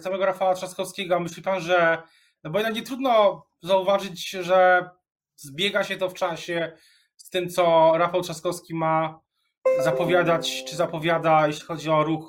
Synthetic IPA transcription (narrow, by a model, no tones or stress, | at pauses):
samɛɡɔɾafawatʂaskɔfskʲɛɡɔmɘɕlʲipanʐɛ | nɔbɔjɛd̪akɲɛt̪ɾud̪nɔ | zauvaʐɘd͡ʑʐɛ | zbʲjɛɡaɕɛt̪ɔft͡ʂaɕɛ | st̪ɘmt̪sɔɾafawtʂaskɔfskʲima | zapɔvʲjad̪at͡ɕt͡ʂɘzapɔvʲjad̪ajeɕlʲixɔd͡ʑiɔɾux